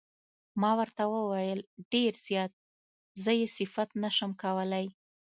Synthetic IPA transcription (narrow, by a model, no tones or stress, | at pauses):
mɑwəɾt̪awəwajəlɖeɾz̥jɑt̪̚ | zəjesɪfat̪naʃəmkawəlaj